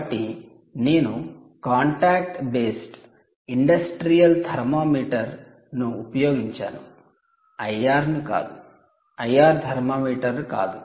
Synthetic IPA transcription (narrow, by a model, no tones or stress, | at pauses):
ʈːi | ne̞ːnu | kaːɳʈaːk̚ʈbe̞ːsʈ | iɳɖɐsʈɾijɐlt̪ʰɐɾmaːmiːʈɐɾ | nuːpɐjo̞ːɡiɲt͡ʃa̰ːnu | ɐjaːɾnika̰ːd̪u | ɐjaːɾd̪ʱɐɾmaːmiːʈɐɾka̰ːd̪u